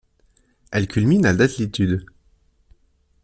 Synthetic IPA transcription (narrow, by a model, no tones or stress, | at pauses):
ɛlkʲylminald̪at̪lit̪yd̪